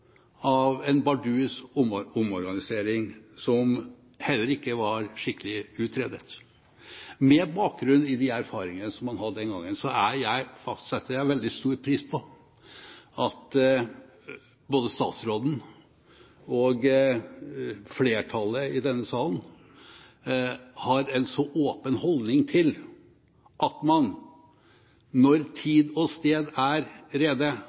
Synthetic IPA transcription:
ɑʋɛnbɑɖʉːsʊmʊmɔɾɡɑnɪseːɾɪŋsɔm | hɛlːəɾɪkːəʋɑɾʂɪkːəlɪʉːt̪ʰɾeːd̪ət̪ | mɛbɑːk̚ɡɾʉnːɪd̪ɪæɾfɑːɾɪŋənəsɔmːɑnhɑd̪ːəd̪ɛnɡɑŋːənsɔæɾjæɪfɑk̪sɛt̪ʰːəjæɪʋɛld̪ɪst̪uːɾpʰɾiːspʰɔ | ɑt̪ | boːd̪əst̪ɑ̰ːt̪sɾoːd̪n̩ | ɔɡ | fleːʈʰɑlːəɪd̪ɛnːəsɑːln | hɑɾɛnsɔʔoːpənhɔld̪nɪŋt̪ʰɪl | ʔɑt̪mɑn | nɔɾt̪ʰiːd̪ɔst̪eːd̪æɾɾeːd̪ə

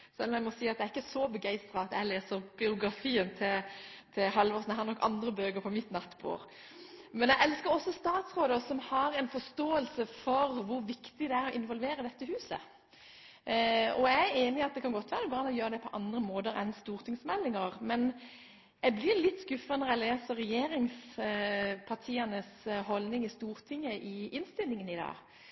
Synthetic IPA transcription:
sɛlːɔmæɪmɔsiːɑt̪d̪ɛæɾɪkːəsɔbəɡæɪst̪ʁɑɑt̪jæɪleːsəɾbɪʊɡɾɑfiːənt̪ʰɪlt̪ʰɪlhɑlʋɔsnæɦæɾnɔkːʔɑnd̪ɾəbøːɡəɾpʰɔmɪt̪nɑt̪ːbṵːɾ | mɛnæɡʔɛlskəɾɔsːɔst̪ɑːt̪sʁoːd̪əsɔmhɑɾɛɪnfɔst̪oːəlsəfɔɾʋʊɾʋɪkt̪ɪd̪ɛæɾɔʔɪnʋɔlʋeːɾəd̪ɛt̪ːəhʉːsə̰ | ɔææɾeːnɪɑt̪̚d̪ɛkʰɑnɡɔt̪ːʋæːɾəbɾɑnːɔjøːɾəd̪ɛpʰɔʔɑnd̪ɾəmoːd̪əɾɛ̰nst̪uːʁt̪ʰɪŋsmɛlːɪŋəʁmɛn | æɡblɪɾlɪt̪ːskʉfənəʁɛleːsəʁɛjeːɾɪŋs | pʰɑʁʈ̪ʰiːənəsɦɔlnɪŋɪst̪uːɾt̪ʰɪŋːəʔɪɪnst̪ɪlːɪŋənɪd̪ɑ̰ː

